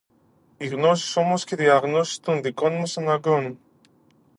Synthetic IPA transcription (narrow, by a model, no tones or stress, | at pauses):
iɣnosi̥so̞mosceðiɐɣnosi̥st̪und̪ikonmesɐnaɡonu